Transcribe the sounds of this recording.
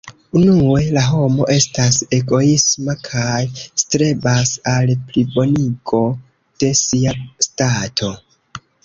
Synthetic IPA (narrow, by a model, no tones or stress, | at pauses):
unue̞laɦo̞mo̞̰ʔe̞stase̞ɡo̞ismakʰajstɾe̞basalplibo̞niɡo̞ | d̥e̞siastatʰo̞